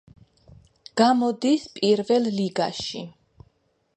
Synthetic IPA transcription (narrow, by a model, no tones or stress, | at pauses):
ɡ̥amɔd̪ispʼiɾvɛlˠliɡaʃḭ